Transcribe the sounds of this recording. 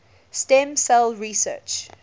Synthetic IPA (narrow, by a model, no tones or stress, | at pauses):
stɛ̃msɛlɹisɜ̰t͡ʃ